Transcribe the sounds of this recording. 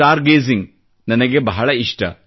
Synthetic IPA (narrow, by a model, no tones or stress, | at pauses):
aːɾɡeːziŋɡ | nɐnɐɡebɐɦɐɭɐiʂʈɐ̰